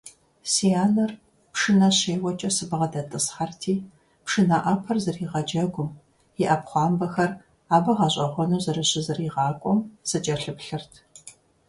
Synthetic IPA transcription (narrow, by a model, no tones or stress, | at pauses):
sijaːnɐr | pʂɨnɐɕeːwɐt͡ʃʼɐsɨbɨʁɐdɐtʼɨsχɐrtʰiː | pʂɨnɐʔɐpʰɐrzɐriːʁɐd͡ʒɐɡʷʊm | jɪʔɐpχʷɑːmbɐxɐr | aːbɐʁɐɕʼɐʁʷɔnuːzɐrɨɕɪzɨriːʁɑːkʷʼɔmsɨt͡ʃʼɐɬɨpɬɨrtʰ